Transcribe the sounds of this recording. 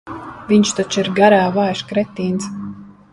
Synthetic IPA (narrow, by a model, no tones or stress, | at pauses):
vʲiɲt͡ʃt̪ɔt͡ʃiɾɡaɾaːvajʃkɾɛt̪ːiːns